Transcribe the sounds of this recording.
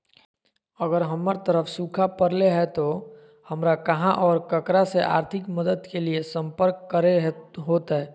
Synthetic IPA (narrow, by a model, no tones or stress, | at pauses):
əɡəɾɦəməɾt̪əɾəfʰsuːkʰapəɾleɦɛt̪o | həmɾakɐɦãʔɔːɾkəkɾaseʔa̰ːɾt̪ʰɪkməd̪əd̪keliesə̃mpəɾkːəɾeɦoːt̪ɦɛː